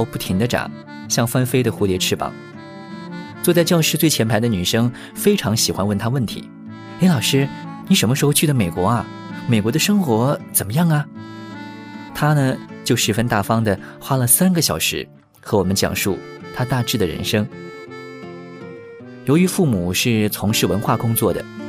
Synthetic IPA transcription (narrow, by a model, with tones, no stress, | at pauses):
o˥˧ʊpu˥˩t̪ʰi˧˥ŋd̪ə˧ʈ͡ʂɑ̰˨˩˦ŋ | ɕjɑ˥˩ŋfa˥nfe˥ɪd̪ə˨xu˧˥ljɛ˧˥ʈ͡ʂʰɻ̩˥pɑ̰˨˩˦ŋ | t͡swɔ˥˧t͡sa˥˧ɪt͡ɕjɑ˥˧ʊʂɻ̩˥˧t͡swe˥˩ɪt͡ɕʰjɛ˧˥npʰd̪ə˧ny˨˩ʂɤ˥ŋ | fe˥ɪʈ͡ʂʰɑ˧˥ŋɕi˨˩xwa̰˧˥nwə˥˩nt̪ʰa˥wə˥˩nt̪ʰḭ˧˥ | e˧˥ɪlɑ˨˩ʊʂɻ̩˥ni˧˥ʂə˧˥mə˧ʂɻ̩˧˥xo˧ʊt͡ɕʰy˥˩d̪ə˧˩me˨˩ɪkwɔ˧˥ɐ˧ | me˨˩ɪkwɔ˧˥d̪ə˧ʂɤ˥ŋxwɔ˧˥t͡sə˨˩mə˦jɑ˥˩ŋɐ˩ | t̪ʰa˥nə˨t͡ɕjo˥˧ʊʂɻ̩˧˥˩fə˥nt̪a˥˩fɑ˥ŋd̪ə˨ | xwa˥lə˨sa˥nɡə˨˩ɕjɑ˨˩ʊʂɻ̩̰˧˥ | xɤ˧˥wɔ˨˩mə˦nt͡ɕjɑ̰˨˩ŋʂṵ˥˩ | t̪ʰa˥t̪a˥˧ʈ͡ʂɻ̩˥˩d̪ə˩ɻə̰˧˥nʂɤ˥ŋ | jo˧˥ʊy˧˥fu˥˩mu˨˩ʂɻ̩˥˩t͡sʰʊ˧˥ŋʂɻ̩˥˩wə˧˥nxwa˥˩kʊ˥ŋt͡swɔ˥˩d̪ə̰˩